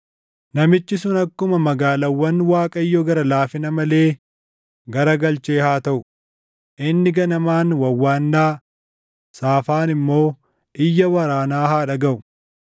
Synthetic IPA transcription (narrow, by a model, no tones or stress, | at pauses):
nɐmɪt͡ʃːɪsʊnɐkːʊmɐmɐɡaːlɐwːɐnwaːkʼɐjːɔɡɐɾɐlaːfɪnɐmɐle̞ː | ɡɐɾɐɡɐlt͡ʃeːhaːt̪ɐʔʊ | ʔɪnːɪɡɐnɐmaːnwɐwːaːnːaː | saːfaːnɪmːo̞ː | ɪjːɐwɐɾaːnaːhaːᶑɐɡɐʔʊ̥